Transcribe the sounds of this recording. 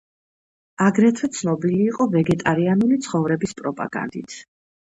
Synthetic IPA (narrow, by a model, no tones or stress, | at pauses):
aɡɾɛt̪ʰwɛt̪sʰnɔbiliːqʼɔvɛɡɛt̪ʼaɾianulit̪sʰχɔvɾɛbispʼɾɔpʼa̰ɡa̰nd̪it̪ʰ